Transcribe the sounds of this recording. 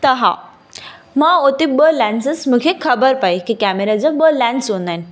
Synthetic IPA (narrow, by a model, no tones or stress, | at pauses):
t̪əɦã̰ | maot̪ibəlænsəsməkʰekʰəbəɾpaikikæmeɾad͡zəbəlæ̃nsonan